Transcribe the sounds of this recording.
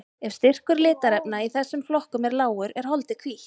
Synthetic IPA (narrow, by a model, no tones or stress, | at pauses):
ɛfst̪ɪr̥kʏɾlɪːt̪aɾɛpnaiθɛsːʏmflɔhkʏmɛɾlaːwʏɾɛɾ̥hɔlt̪ɪkʰviːht̪